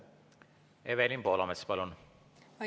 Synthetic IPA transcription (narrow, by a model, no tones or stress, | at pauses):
evelʲinpoːlɑmet̪spɑlun